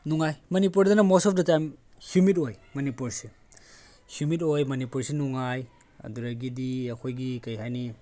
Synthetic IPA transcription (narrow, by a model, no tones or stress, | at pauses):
nuŋajmɐnipuɾdɐnɐmɔsɔp̚dɐtajm | hjumit̬ojmɐnipuɾsi | hjumit̬ojmɐnipuɾsinuŋaj | ɐ̰duɾɐɡidiɐkʰojɡikɐjɦajni